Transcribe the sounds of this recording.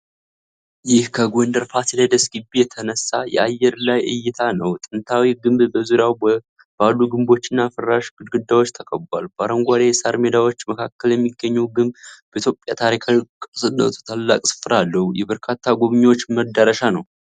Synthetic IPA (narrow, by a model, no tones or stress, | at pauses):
jɪhkʰəɡʷond̪əɾfasilad̪əsɡɨbːijɛt̪ʰənəsːajɛ̰ajːɛɾlajʔɨ̰jːɪt̪ʰanəwt̪ʼɨnt̪ʰawiɡɨmbbəzuɾjaw | balːuɡɨmbo̞t͡ʃːɪnːafɨrːaʃɡɨd̪ɡɨd̪ːawo̞t͡ʃːt̪ʰəkʼəbalubaɾəŋɡʷad̪ajɛsaɾmed̪awo̞t͡ʃːməkʰakːəljɛmːiɡːəɲːɛwɡɨmbbəit̪jopʼjat̪ʰaɾikʰakʼsʼɨnːə̰t̪ʰu̥t̪ʰalːa̰kʼsɨ̥fɨɾalːəhujɛbəɾkʰat̪ʰːaɡoβɨɲːwot͡ʃːməd̪əɾəʃanəw